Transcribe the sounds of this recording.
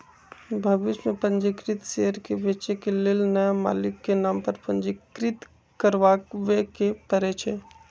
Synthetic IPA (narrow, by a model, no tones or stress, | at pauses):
bʱɐbɪt͡ʃmẽpə̃nd͡ʒɪkɾɪt̪ʃeɦəɾkebeːt͡ʃekelɪlnɐjama̰ːlɪkːenaːmpəɾpə̃nd͡ʒɪkɾɪt̪ | kəɾʋaːkʋekepəɾet͡ʃʰe